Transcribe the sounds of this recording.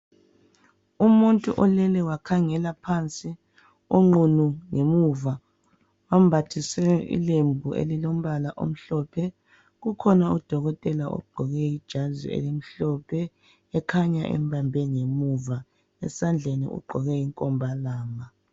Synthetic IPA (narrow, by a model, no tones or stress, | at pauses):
umuntʼuʔɔlɛlɛwakʰaŋɛlapʰant͡sʼi | oŋ͡ǃunuŋemuva | wam̩bʱatʰisɛḭlembʱuʔḛlilom̩βalaʔo̰m̩ɬɔpʰɛ | ɣukʰɔnaud̥ʱɔɣɔtʼɛlaʔo̰ɡ͡ǃʱɔɣɛjid̥ʒ̥ʱazḭḛlim̩ɬɔpʰɛː | kʰaɲa̰ʔɛ̰mbʱambʱɛŋemuva | ɛ̰sand͡ɮʱenḭʔṵɡ͡ǃʱɔɣɛiŋkʼɔmbʱalaːma